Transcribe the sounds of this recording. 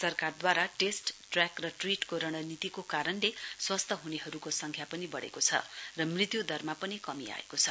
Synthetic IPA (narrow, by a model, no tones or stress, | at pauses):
sʌrkard̪waɾaʈesʈʈrakrʌʈriʈkoɾʌɽ̃ʌnit̪ikokaɾʌnleswʌst̪ʰʌɦuneɦʌɾukosʌŋkʰjapʌnibʌɽḛkot͡sʰʌ̰rʌmrit̪jud̪ʱʌrmapʌnikʌmia̰ḛkot͡sʰʌ